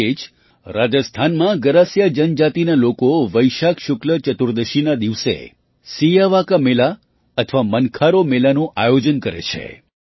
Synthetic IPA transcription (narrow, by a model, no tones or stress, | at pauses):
ed͡ʒ | ɾad͡ʒəst̪ʰanmãɡəɾasjad͡ʒənd͡ʒat̪inalokoʋəjʃakʃʊklət͡ʃət̪uɾd̪əʃinad̪iʋsḛ | sijaʋakamela | ət̪ʰəʋamənkʰaɾomelanũʔajod͡ʒənkəɾḛt͡ʃʰḛ